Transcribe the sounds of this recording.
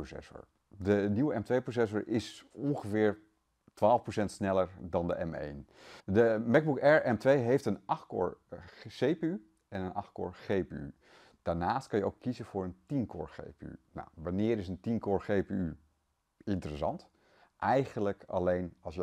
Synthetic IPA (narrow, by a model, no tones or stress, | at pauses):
sɛ̰sʊ̰ɹ | dəniwəɛmtʋejprosɛs̬ʊɹʔɪsɔnχəvɪːɹ | tʋaːlˠfprowsɛntsnɛləɹdɑndəʔɛmḛjndəmɛɡ̚bukɛɹɛmtʋejɦejftənʔɑχtko̰ːɹχejpey | ʔɛnənʔɑχtko̰ːɹχejpey̰ | d̥aːɹnaːst̚kɑnjəowkːizənvʊːɹəntinkʊ̰ːɹχḛjpey̰na̰wʋanɪːɾɪsəntinkoːɹχejpey | ɪntərəsɑ̰nt | ʔɛjχənləkɑ̰lejnɑls